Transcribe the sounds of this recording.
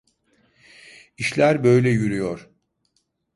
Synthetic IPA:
iʃlʲæɾbø̞jlʲɛjyɾyjoɾ̥

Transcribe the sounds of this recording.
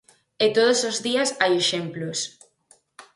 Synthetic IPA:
et̪oð̞osozðiasajeʃemplos

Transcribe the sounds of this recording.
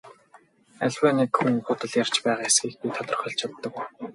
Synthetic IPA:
æɮʲwæːnekxuŋχʊt̪ə̆ɮjar̥t͡ɕpæːʁaːesɡʲiːxpit̪ʰɔt̪ə̆r̆χœ̆ɬt͡ɕʰat̪ːə̆kuj

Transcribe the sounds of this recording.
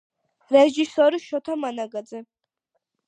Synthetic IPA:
ɾɛʒisɔɾiʃɔt̪ʰamanaɡad̪zɛ

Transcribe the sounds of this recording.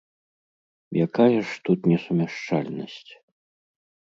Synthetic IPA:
jakajɐʂt̪ut̪nʲɛsumʲaʂt͡ʂalʲnɐsʲt͡sʲ

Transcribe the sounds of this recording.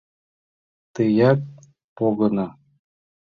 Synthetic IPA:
t̪ɯjɑk̚ | poɣɤ̆nɑ

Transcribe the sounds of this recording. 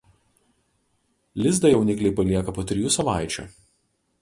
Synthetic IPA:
lʲɪzd̪ɐjɛʊnʲɪkʲlʲɛɪpɐlʲiɛkɐpoːt̪ʲɾʲɪjuːsɐʋɑˑɪt͡ʃʲṵˑ

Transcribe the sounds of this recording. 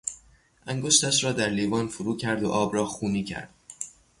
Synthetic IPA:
ʔæŋɡo̞ʃt̪æʃɾɒːd̪æɾliːvɒːnfuɾuːcʰæɾd̪o̰ʔɒːbrɒːxuːniːcʰæ̰ɾd̪̥̚

